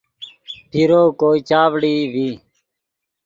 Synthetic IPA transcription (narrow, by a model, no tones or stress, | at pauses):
pʰiɾoːkoːiːt͡ʃaːʋɽiːʋiː